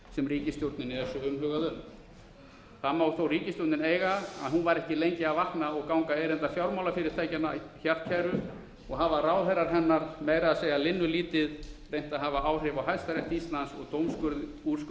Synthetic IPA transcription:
sɛmriːcɪst̪jowɾt̪nɪnɪɛsɔʏmɦœːɣaðʏn | θamːawθowriːcɪst̪oɾt̪nɪneːjɣaaðɦunvaɾɛhcɪlejɲcɪaðvahknaɔɣkawŋkaejɾɛnt̪aɾfjawɾmawlafɪɾɪɾ̥t̪ʰaːjcɛnaçaɾt̪cʰajɾʏ | ɔɣɦavaraːwðɛjɾaɾ̥ɦɛnːaɾmeːjɾaðaseːjalɪnːʏliːt̪ɪðrejn̥t̪aðɦaːvaaːwr̥ɪvawɦajðst̪aɾɛht̪ist̪lansɔ̰ɣt̪owmskʏɾð | u̥sk

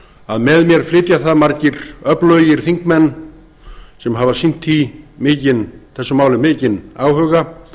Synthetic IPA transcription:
aðmɛðmjɛɾ̥flɪːt̪jaθaðmaɾcɪɾœplœːɥjɪɾ̥θiŋkmɛnː | sɛmɦavasin̥t̪ʰimɪːcɪnθɛsːʏmaːwlɪmɪːcɪnaːwhœɣa

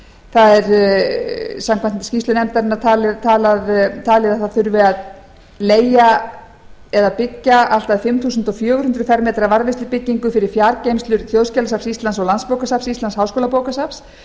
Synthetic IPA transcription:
θaðɛɾ | samkʰvanscist̪lʏnɛmt̪aɾɪnːaɾt̪ʰaːlɪt̪ʰaːlaðt̪ʰaːlɪðaθaθʏɾvɪað | leːja | ɛðapɪcːaal̥t̪aðfɪmθuːs̬nt̪ɔfjœːɣʏɾhʏnt̪ɾʏfɛɾmɛːt̪ɾavaɾvɪst̪ʏpɪcːiŋkʏfɪɾɪɾ̥fjaɾcejmst̪lʏɾ̥θjowðscɛlasapsist̪lansɔɣlanspowkasapsist̪lanshaːwskoːlapoːwkasaps

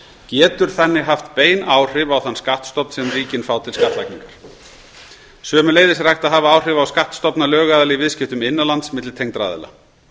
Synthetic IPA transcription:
cɛːt̪ʏɾ̥θɛnːɪɦaft̪peːjnaːwr̥ɪvawθanːskaht̪st̪ɔpn̥sɛmriːcɪnfaːwt̪ʰɪlskaht̪lajkniŋkaɾ̥ | sœːmʏleːjðɪsɾajxt̪aðɦaːvaaːwr̥ɪvawskaht̪st̪ɔpnalœːɣaðalɪivɪðscɪft̪ʏmɪnːalant̪smɪt̪lɪt̪ʰejŋk̪t̪ɾa̰ːðɛ̰la̰

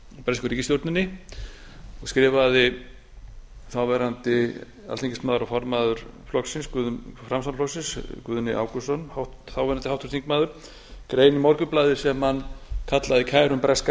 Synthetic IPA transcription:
pɾɛskʏɾiːcɪst̪jowɾt̪nɪnːɪ | ɔɣskɾɪːvaðɪ | θawvɛɾant̪ɪ | a̰lt̪ʰĩŋcɪsmaːðʏɾawfɔɾmaːðʏɾ̥flɔksɪnskʏðʏfɾamsanflɔsɪnskvʏðnɪʔa̰ːwkʏsɔnhawht̪ | θawvɛɾant̪ɪhawht̪ʰʏɾ̥t̪iŋkmaːðʏɾ̥ | kɾeːjnɪmɔɾkʏplaːðɪ̥sɛmhankʰat̪laðɪkʰaːjɾʏmpɾɛska

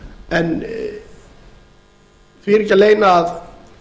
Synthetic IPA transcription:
ɛn | fɪɾɪcaleːjnaːð

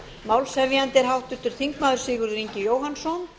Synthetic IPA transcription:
mawlsɛvjant̪ɛɾ̥ɦawht̪ʏn̥t̪ːʏɾ̥θiŋkmaːðʏɾ̥sɪːɣʏɾriɲcɪjoːwɦansɔn

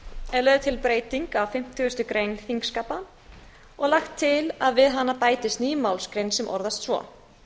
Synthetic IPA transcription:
ɛlœːðt̪ʰɪlpɾeːjt̪iŋkawfɪm̥t̪ʰʏʏst̪ʏkɾejnθiŋkskapa | ɔɣlaxt̪ʰːɪlaðvɪðɦanːapaːjt̪ɪst̪niːmawlskɾejnsɛmʔɔ̰ɾðast̪svɔ̰ː

